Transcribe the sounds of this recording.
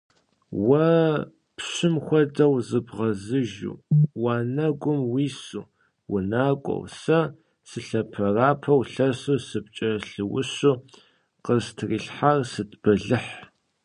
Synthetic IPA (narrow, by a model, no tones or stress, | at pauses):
wɐ | pɕɪmxʷɔdɐwzɨbʁɐzɨʒṵːwaːnɐɡʷʊmwiːsuː | wʊnaːkʷʼɔ̰wsɐ | sɨɬɐpʰɐraːpʰɐwɬɐsuːsɨp̚t͡ʃʼɐɬɨwʊɕuː | qəztʰriːɬħarsɨtb̥ʰɐɮɨħ